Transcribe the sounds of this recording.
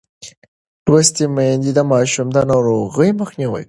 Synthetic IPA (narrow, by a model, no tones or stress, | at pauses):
wast̪imajnd̪id̪amɑʃumd̪anɑwɾoɣəjməxniwə̰j